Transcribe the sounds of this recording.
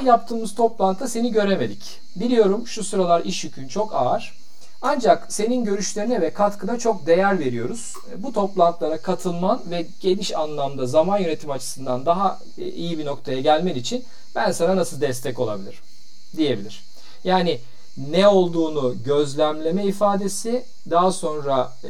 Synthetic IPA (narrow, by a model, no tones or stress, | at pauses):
jap̚t̪ʰɯːmɯz̥t̪ʰo̞plˠant̪ʰase̞niɟø̞ɾe̞me̞d̪ic | bilʲijo̞ɾumʃusuɾalˠaɾiʃjycʰynt͡ʃʰo̞kaːɾ̥ | and͡ʒakse̞ninɟø̞ɾyʃlʲe̞ɾinɛvɛkʰat̪kʰɯnat͡ʃʰo̞k̚d̪e̞jæɾve̞ɾijo̞ɾuz̥ | but̪ʰo̞plˠant̪lˠaɾakʰat̪ʰɯlˠmanvɛɟ̥e̞niʃanlˠamd̪azamanjøne̞t̪ʰimat͡ʃʰɯ̥sɯnd̪and̪aɦa | ḭjibino̞kt̪ʰajaɟælʲmɛnit͡ʃʰin | b̥ænsananasɯlˠd̪ɛst̪ʰɛco̞lˠa̰bilʲiɾ | d̪ije̞bilʲiɾ̥ | jaːnɪ | nɛo̞lˠd̪uːnuɟø̞zlʲæmlʲe̞mɛifaːd̪e̞sɪ | d̪aɦaso̞nɾa